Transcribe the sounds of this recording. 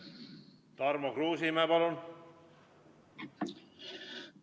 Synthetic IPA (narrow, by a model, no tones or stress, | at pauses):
t̪ɑrmokruːsimæpɑlun